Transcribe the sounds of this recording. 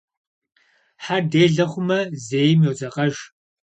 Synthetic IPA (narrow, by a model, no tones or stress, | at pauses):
ħardeːɮɐχʷʊmɐzeːjmjowzɐqʼɐʒ